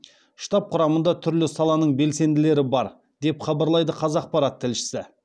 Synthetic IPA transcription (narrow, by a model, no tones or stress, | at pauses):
ʃt̪ɑp̚qʰʊɾɑmənd̪ɑt̪ʰʏɾlɪsɑlˠɑnəɴbe̞lse̞nd̪ɪle̞ɾɪbɑɾ | d̪e̞pχɑbɑɾlˠɑjd̪əqʰɑzɑq̚pɑɾɑt̪ʰːɪlʃɪ̥sɪ